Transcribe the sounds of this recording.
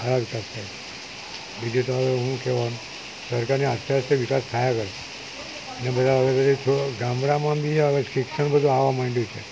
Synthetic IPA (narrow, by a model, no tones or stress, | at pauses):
əɾaʋikast̪ʰajae | bid͡ʒʱit̪oəʋeɦũkɛʋanũ | səɾkaɾniast̪ʰaseʋikast̪ʰajakəɾ | ənebəd̪ʱaəʋebəd̪it͡ʃʰoɡãmɽamãbiʃikʂəñbəd̪ʱũaʋamaɳɖjut͡ʃʰe